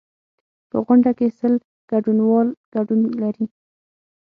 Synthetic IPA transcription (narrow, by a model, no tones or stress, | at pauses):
pə̰ɣʊɳɖakesəl | ɡ̥aɖunwɑlɡ̥aɖunlaɾi